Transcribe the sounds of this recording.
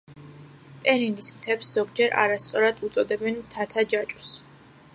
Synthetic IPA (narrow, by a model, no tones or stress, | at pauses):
pʼɛɾinismt̪ʰɛpsz̥ɔɡd͡ʒɛɾʔa̰ɾast̪sʼɔɾad̪ut̪sʼɔd̪ɛbɛnmt̪ʰat̪ʰad͡ʒat͡ʃʼu̥s